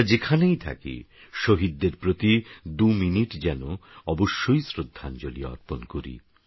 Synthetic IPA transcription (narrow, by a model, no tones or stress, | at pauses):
d͡ʑekʰanejt̪ʰa̰kḭ | ʃoɦid̪ːeɾpɾot̪id̪uminiʈd͡ʑɛnoɔboʃːojsɾod̪ʱːand͡ʑolijaɔ̰ɾponkoɾḭ